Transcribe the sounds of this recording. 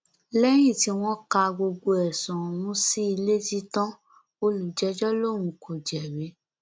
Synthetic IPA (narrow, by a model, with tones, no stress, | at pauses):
lɛ˦j̃ĩ˦˨ti˧w̃ɔ̃˦ka˧ɡ͡bo˧ɡ͡bo˧ɛ˨sɔ̃˨w̃ũ˦si˦i˧le˦ti˧tã˦ | o˧lu˨d͡ʒɛ˨˦d͡ʒɔ˦lo˦˨ɾ̃ũ˧kʰo˨d͡ʒɛ˨ɾe˨˦